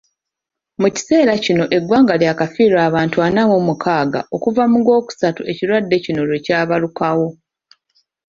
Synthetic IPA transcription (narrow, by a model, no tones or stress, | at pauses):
muci̥se̞ːɾacino̞ʔe̞ɡwaːŋɡaljaːkafiːɾaːβaːntuanamumukʰaːɡa̰ʔo̞kuvamuɡo̞ːku̥satue̞ciɾwadːe̞cino̞lwecaːβalukawo̞